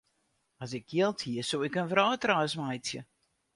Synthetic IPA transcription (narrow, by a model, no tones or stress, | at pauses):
as̬ɪkjiəlˠtʰhiəsowɪkənfrɔːtraːsmajtsjə